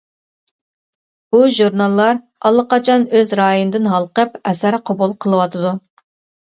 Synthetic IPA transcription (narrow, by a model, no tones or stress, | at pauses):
b̥uʒuɾnɑlˠːɑɾ | ɑlˠːəqɑt͡ʃʰɑnøzɾɑːjonɨd̪ɨnɦɑlˠqəpɛsæɾqʰobulˠqʰəlˠɨwɑt̪ʰɨd̪u